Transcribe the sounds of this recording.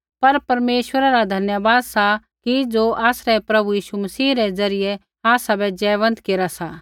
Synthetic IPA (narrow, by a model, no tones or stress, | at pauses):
pɐɾpɐɾmeːʃwəɾaɾad̪ʱɐnjəbaːd̪sa | kid͡zoːʔaːsɾɛpɾɐbujiːʃumɐsiːɾɛd͡zɐɾɪjɛ | aːsabɛd͡ʒɛːʋə̃nt̪keːɾasa